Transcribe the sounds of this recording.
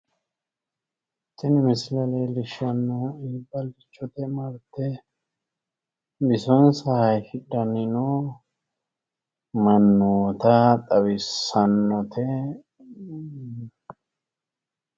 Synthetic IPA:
t̪ːɪnɪmɪslɐlejlɪʃɐnːɔiːbːɐlɪt͡ʃːɔt̪ɛmɐɾt̪ːɛ | bɪsɔnsɐhɐjfɪᶑɐnɪno | mɐnːoːt̪ɐt̪ʼɐwɪsːɐnːɔt̪ʰɛ

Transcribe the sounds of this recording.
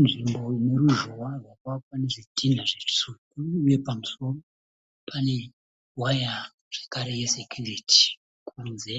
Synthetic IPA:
nʐimbo̞ne̞ɾuʒowarwakwakane̞ʐidʱinaʐe̥sukuːje̞pamuso̞ro | pʰane̞ | waja | ʐ̥ekaɾe̞je̞sekʰjuritʰi̥ | kʰunze̞

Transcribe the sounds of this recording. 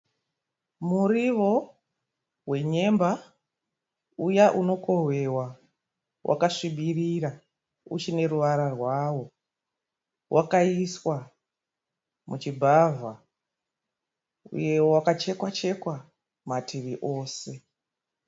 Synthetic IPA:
muriʋo̞ | we̞ɲe̞mba | ujaʔuno̞ko̞ɦwe̞wa | wʔa̰kaʂiɓiriɾa | ṵt͡ʃine̞ɾuʋaɾarwawo̞ | wʔakaiswa | mut͡ʃibʱavʱa | ṵje̞wakat͡ʃe̞kwat͡ʃe̞kwa | matʰiʋiʔo̞ːse̞

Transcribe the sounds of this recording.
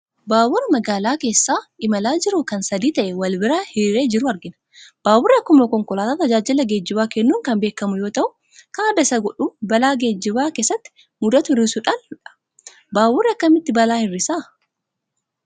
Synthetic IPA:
baːwʊɾɐmɐɡaːlaːke̞ːsːaːʔɪmɐlaːd͡ʒɪɾʊkɐnsɐd̪iːt̪ɐʔɛwɐlbɪɾaːhiɾe̞ːd͡ʒɪɾʊɐɾɡɪnɐ̥ | b̥aːwʊrːɪɐkːʊmɐkɔŋkɔlaːt̪aːt̪ɐd͡ʒaːd͡ʒɪlːɐɡe̞ːd͡ʒːɪbaːkɛnːuːŋkɐmbe̞ːkːɐmʊjo̞ːt̪ɐʔʊ | kɐnɐd̪ɐsɐɡɔᶑuːbɐlaːɡe̞ːd͡ʒːɪbaːke̞ːsːɐt̪ːɪ̥ | mʊd̪ɐt̪ʊɪɾːɪsʊᶑanʊᶑɐ̥ | baːwʊrːɪɐkːɐmɪt̪ːɪbɐlaːhɪrːɪsaː

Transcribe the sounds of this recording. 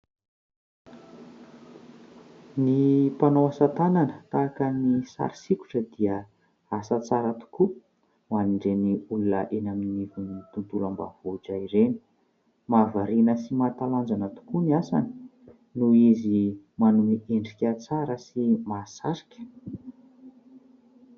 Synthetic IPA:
nipanowasat̪ananət̪aːkənisa̰ɾi̥siku̥ʈ͡ʂəd̪iə | asat͡saɾat̪u̥ku | maniɳɖ͡ʐeniulunə̰ʔenaminivunit̪unt̪ulamba̰voʈ͡ʂaiɾeni̥ | mavaɾinəsimat̪aland͡zanət̪u̥kuniasa̰ni̥ | nuizi | manumiʔeɳɖ͡ʐikʲət͡saɾəsimasaɾi̥kʲə̥

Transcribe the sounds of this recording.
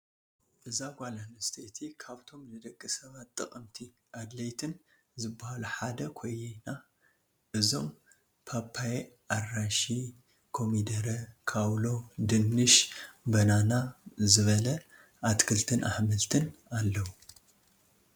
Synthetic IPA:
ʔɨzaɡʷalanɐst̪ʰet̪ʰikʰaβt̪ʰo̞mnɨd̪ɐkʼːisɐβat̪ʼːɨkʼɐmt̪ʰi | ʔad̪lɐjt̪ʰɨn | zɨbːahaluħad̪ɐkʰo̞jːina | ʔɨzo̞m | pʰapʰːaj | ʔaraʃi | kʰo̞mid̪ɐɾɐkʰawlo̞d̪ɨnːɨʃbɐnanazɨβɐlɐ | ʔat̪kʰɨlt̪ʰɨnʔa̰ħmɨlt̪ʰɨnalːɐwu

